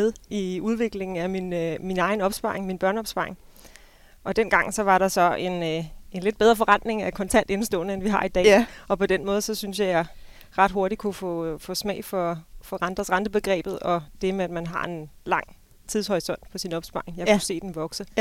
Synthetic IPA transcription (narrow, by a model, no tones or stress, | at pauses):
eðˠiuð̞ˠʋe̝ɡ̥le̝ŋŋ̩æminminɑ̈ɪnɒ̽b̥sb̥ɑ̈eŋminb̥ɶɐnəɒ̽b̥sb̥ɑ̈e̝ŋ | ʔɒ̽d̥en̰ɡ̥ɑ̈ŋ̰sɒ̽ʋɑ̈ɾɑ̈sɒ̽e̝ne̝nle̝d̚b̥eð̞ˠʁɐfɒ̽ʁɑnd̥ne̝ŋækʰɒ̽nt͡sʰæn̰d̥e̝nəsd̥ɔ̰̽ːlnəenʋiɦɑ̈id̥ɛ̰ːɒ̽pʰɒ̽d̥enmɔ̽ːð̞̩ˠsɒ̽synsjɑ̈jɑɪ | ʁɑ̈d̥ɦo̝ɐɾikʰufɔ̰fɔ̰̽ːsmɛ̰ɪfɒ̽fɒ̽ʁɑnd̥ʁɐsʁɑnd̥əb̥e̝ɡ̥ʁɛ̰ːb̥ð̩ˠɒ̽d̥e̝meæd̥mænɦɑ̰̈e̝nlɑ̈ŋ̰ | t͡sʰið̞ˠshɒ̽ɪsɒ̽n̰d̥̚pʰɒ̽sinɒ̽b̥sb̥ɑ̈ːe̝ŋjɑ̈kuse̝̰ːd̥enʋɒ̽ɡ̥sə